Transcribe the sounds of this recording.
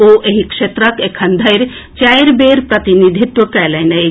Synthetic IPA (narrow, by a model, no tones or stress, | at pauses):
oʔeɦikʂet̪ɾɐkekʰɐnd̪ʱɐjɾt͡ʃajɾbeɾpɾɐt̪inid̪ʱit̪wɐkɐlɐnɐ